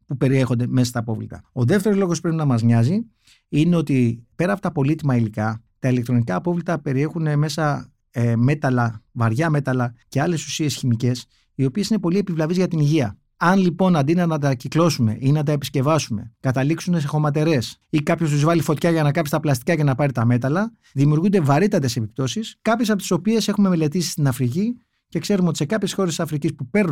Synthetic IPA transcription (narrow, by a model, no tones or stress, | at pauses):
pupe̞ɾie̞xo̞nd̪e̞msɐst̪ɐːpo̞vlḭt̪ɐ̰o̞ðe̞ft̪eɾozlo̞ɣo̞spɾepinɐmɐzɲɐzi | ineo̞t̪ipe̞ɾɐːpot̪ɐpo̞lit̪imɐilikɐ | t̪ɐilekt̪ɾo̞nikɐːpo̞vlit̪ɐpe̞ɾie̞xune̞me̞sɐ | me̞t̪ɐlɐvɐɾʝɐme̞t̪ɐlɐce̞ɐle̞su̥sie̞sçimice̞s | io̞pie̞sine̞po̞lie̞pivlɐvizʝɐt̪iniʝiɐ | ɐnlipo̞nɐnd̪inɐnɐt̪̬ɐciklo̞sume̞̰ʔinɐt̪̬ɐe̞pi̥sce̞vɐsume̞̰kɐt̪ɐliksunes̬exo̞mɐt̪e̞ɾe̞sikɐpço̞st̪uzvɐlifo̞t̪çɐʝɐnɐkɐfist̪ɐplɐst̪i̥kɐce̞nɐpɐɾit̪ɐme̞t̪ɐlɐ | ðimiuɾɣund̪e̞vɐɾit̪ɐt̪e̞se̞pip̚t̪o̞siskɐpçesɐpot̪i̥so̞pie̞se̞xume̞me̞le̞t̪isi̥st̪inɐfɾici | ce̞kse̞ɾumeot̪i̥se̞kɐpçesxo̞ɾesisɐfɾicispupe̞ɾnu